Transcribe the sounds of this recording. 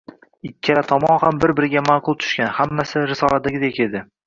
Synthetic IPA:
ɪkʲʰːaɾat̪ʰɒmɒnhambɪɾbɪɾɪɡʲamaqʰʊlˠt̪ʰʊ̥ʃkʲanhamːasɪɾɪsɒlˠad̪aɡʲɪd̪ekʲe̞d̪ɪ

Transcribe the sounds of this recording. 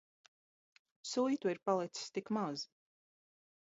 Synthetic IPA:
sujt̪uiɾpalˠit̪si̥st̪ikmaz

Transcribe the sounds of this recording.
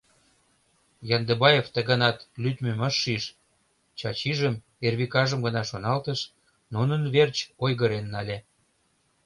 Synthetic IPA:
jɑnd̪ebɑjeft̪ə̆ɣənɑt̪lyt̪meməʃːiʃ | t͡ɕɑt͡ɕiʒəm | erβikɑʒəmɡənɑʃonɑlt̪əʃ | nunənβert͡ɕojɣəɾenːɑlʲe

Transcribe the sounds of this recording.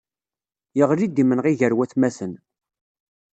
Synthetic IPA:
jəʁlid̪imənʁiʝəɾwæθmæsən

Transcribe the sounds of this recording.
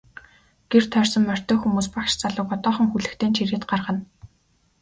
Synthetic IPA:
ɡ̥er̥t̪ʰœːrʲsɞ̆mːœr̥ʲt̪ɔːxumuːspakʃt͡saɮə̆ːkɔt̪ɔːχə̆ŋxuɮɘ̆kt̪ʰeːnt͡ɕʰiɾeːt̪ɢarʁə̆n

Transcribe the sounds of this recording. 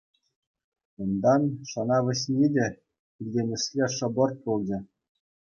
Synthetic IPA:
und̪ɑnʂɤ̆nɑʋɘ̆ɕʲnʲidʲe | ilʲdʲenʲɘ̆ʂlʲeʂɤ̆bɤ̆rt̪̚pulˠd͡ʑɘ̆

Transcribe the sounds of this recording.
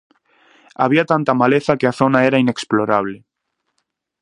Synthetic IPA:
a̰βiat̪ant̪amaleθakeaθo̞naeɾaine̞ksploɾaβ̞le

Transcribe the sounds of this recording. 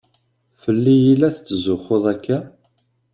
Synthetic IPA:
fəlːijilːæθət͡sːəzʊχoðˤækːæ

